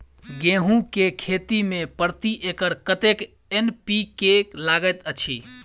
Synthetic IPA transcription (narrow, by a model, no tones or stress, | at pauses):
ɡẽɦũkekʰet̪imepəɾt̪iʔekəɾkət̪ek | enpikelaɡət̪ət͡ʃʰḭ